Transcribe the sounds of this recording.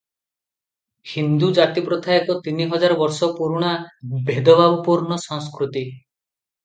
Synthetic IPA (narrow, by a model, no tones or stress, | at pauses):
hind̪ud͡ʒat̪ipɾɔt̪ʰaek̪ɔt̪iniɦɔd͡ʒaɾɔbɔɾsɔpuɾuɽ̃abʱed̪ɔbabupuɾnɔsɔ̃ŋskɾut̪i